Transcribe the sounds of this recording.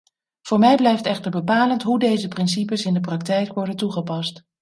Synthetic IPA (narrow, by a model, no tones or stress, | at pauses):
v̥ʊːɹmɛjblɛjftɛχtəɹbəpaːləntɦudejzəprɪnsipəsɪndəp̬rɑktɛjkʋɔɹdəntuχəpɑst